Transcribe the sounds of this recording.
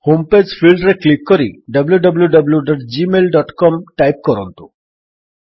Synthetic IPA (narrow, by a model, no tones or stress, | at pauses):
homped͡ʑfilɖɾeklikːɔɾḭɖəbljuɖəbljuɖəbljuɖɔʈd͡ʑimelɖɔʈkɔmʈajp̚kɔɾɔ̰nt̪ṵ